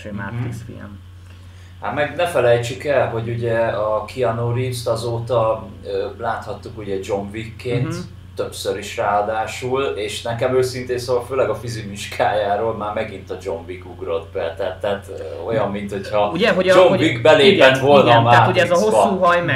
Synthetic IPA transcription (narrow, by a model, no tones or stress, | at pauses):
ma̰t̪isfḭlm | hat̪mɛɡnɛfɛlɛjt͡ʃykɛlɦo̞ɟuɟɛɒkʰiɒnoɾist̪ɒzoːt̪ɒøːlaːt̪hɒt̪ːukuɟɛd͡ʒo̞ɱvikːeːnt̪ː | ø̞psøɾiʃraːɒd̪aːʃuleːʃnɛkɛmøːsint̪eːnsɒvɒlføːlɛɡɒfizimiʃkʰaːjaːɾoːlmaːrmɛɡint̪ɒd͡ʒo̞ɱvikuɡro̞d̪bɛt̪ɛːt̪ːɛːt̪ːo̞̰jɒmːint̪ho̞chɒuɟɛɦod͡ʒomviɡbɛleːpɛt̪ʋo̞lnɒmaaːuɟɛɛzɦosuːɦɒjmɛ